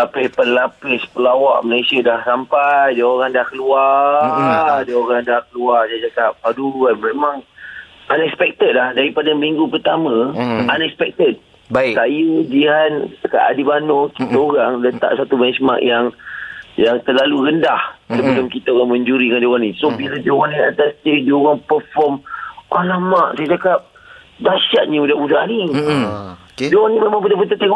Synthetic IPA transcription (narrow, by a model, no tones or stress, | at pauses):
lapɛpənlapɛspəlawa̰ʔməlasiadahsampajdəoɾaŋdahkəlua | dəoɾaŋdahkəluard͡ʒad͡ʒakaʔ̚paduanmemaŋ | anɛkspɛk̚t̪ət̪̚lahdaɾipadamiŋɡupərt̪amãanɛkspɛk̚t̪ət̪̚ | baisajəd͡ʒiɦanka̰ʔa̰dibanokit̪aoɾaŋlət̪a̰ʔsat̪ubɛnsmã̰ʔjaŋjaŋt̪əlaluɾəndahsəbəlʊmkit̪aoɾaŋməɲd͡ʒuɾidəŋand͡ʒowanisobiladowanĩa̰t̪ast̪əd͡ʒioɾaŋpəfɔmalamaʔsajad͡ʒakap̚ | daʃaʔ̪̚ɲə̃udaʔudahni | d͡ʒowaŋnĩmemaŋpədahpət̪ət̪eŋ